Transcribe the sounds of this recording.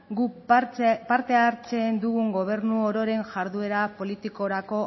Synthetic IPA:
ɡu | paɾt̪e̞aɾt͡se̞nd̪uɣuŋɡo̞β̞e̞ɾnuoɾo̞ɾe̞nʝaɾðue̞ɾapo̞lit̪iko̞ɾako̞

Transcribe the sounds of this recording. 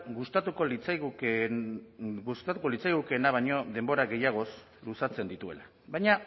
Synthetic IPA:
ɡust̪at̪uko̞lit͡saɣ | ust̪at̪uko̞lit͡sajɣ̞uke̞naβ̞aɲo̞ðe̞mbo̞ɾaɡe̞jaɣ̞o̞s | lusat͡se̞nd̪it̪ue̞̰la | βajɲa

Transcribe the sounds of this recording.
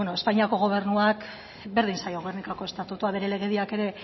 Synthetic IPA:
enoespaɲiako̞ɣ̞o̞β̞e̞ɾnuak | be̞ɾðinsajo̞ɣoernikako̞e̞st̪at̪ut̪uaβe̞ɾe̞le̞ɣ̞e̞ðiake̞ɾe̞

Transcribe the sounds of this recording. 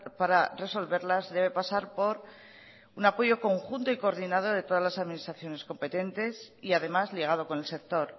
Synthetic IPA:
paɾare̞so̞lβe̞ɾlazðe̞β̞e̞pasaɾpo̞ɾ | unapo̞ʝo̞ko̞ŋxunt̪oiko̞ːɾðinað̞o̞ðe̞t̪o̞ðazlasaðminist̪ɾaθjo̞ne̞sko̞mpe̞t̪e̞nt̪e̞siaðe̞mazliɣ̞að̞o̞ko̞ne̞lse̞k̚t̪o̞ɾ

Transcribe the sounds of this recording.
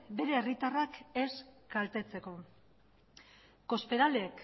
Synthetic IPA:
be̞ɾe̞ːrit̪arake̞skalt̪e̞t͡se̞ko̞ | ko̞speɾaleek

